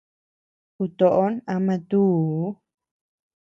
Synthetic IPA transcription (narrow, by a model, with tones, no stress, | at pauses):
ku˧t̪o˨ʔo˦na˧mã˧t̪uː˦